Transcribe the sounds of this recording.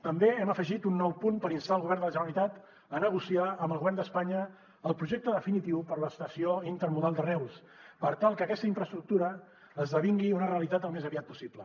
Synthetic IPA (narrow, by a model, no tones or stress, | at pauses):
t̪əmbeɛməfəʒit̪unːɔwpunpəɾinst̪aəlˠɣuβɛrnd̪ələʒənənit̪at̪ | ənəɣ̞usiaəmbəlˠɣuβɛrnd̪əspaɲəː | lˠpɾuʒɛk̚t̪əðəfinit̪iwpəɾləst̪əsioint̪əɾmuðalˠd̪ərɛws | pəɾt̪alˠkəːkɛst̪əiɱfɾəst̪ɾuk̚t̪uɾəː | zðəβiŋɡiunəreəlit̪at̪əlˠmezəβiat̪̚pu̥siplə